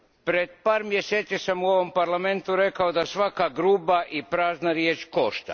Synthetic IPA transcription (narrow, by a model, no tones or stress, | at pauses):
pɾe̞d̪̚paːɾmjeseːt̪sisamuo̞ʋo̞mpaɾlame̞nt̪uɾe̞kaod̪asʋakaɡɾuːbaʔipɾaːznaɾjeːt͡ʃko̞ʃt̪a̰